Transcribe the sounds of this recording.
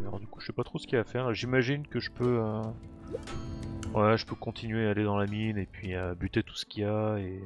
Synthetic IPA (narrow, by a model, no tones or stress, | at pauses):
alɔ̰ʁd̪yku̥ʒə̥sɛpat̪χosə̥kʲiafɛʁʒimaʒinkəʒəpøø | wɛʒəpøkɔ̃t̪ʰinɥeːled̪ɑ̃laminepɥiøbyt̪et̪u̥sə̥kʲiae